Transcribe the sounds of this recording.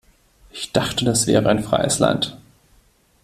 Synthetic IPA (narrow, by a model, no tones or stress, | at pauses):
ʔɪçd̥aχtədasv̥ɛ̰ːʁəaɪnfʁ̥a̰ɪəsla̰nt